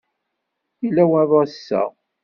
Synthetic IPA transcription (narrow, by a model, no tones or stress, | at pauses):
ilæwæðˤɑsːæ̰